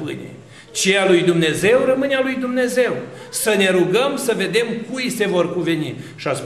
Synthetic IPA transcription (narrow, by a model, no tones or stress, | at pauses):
pɨ̰nʲḛ | t͡ʃealujd̪umne̞ze̞wrəmɨnealujd̪umne̞ze̞w | səne̞ɾuɡəmsəve̞d̪e̞mkujsevo̞rkuve̞nḭʃias